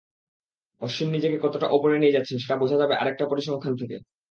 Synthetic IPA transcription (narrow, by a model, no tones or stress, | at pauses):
ɔʃimnid͡ʑekekɔt̪oʈaʔɔpoɾenied͡ʑatːɕʰenʃeʈabod͡ʑʱad͡ʑabeʔa̰ɾek̚ʈapoɾiʃɔŋkʰant̪ʰekḛ